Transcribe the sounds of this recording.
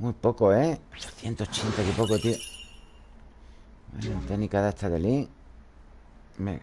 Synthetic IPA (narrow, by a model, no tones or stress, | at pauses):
mujpokoeoθjent̪ot͡ʃent̪akipokot̪io | wenot̪enikaðaet̪ʰaðeli | mḛ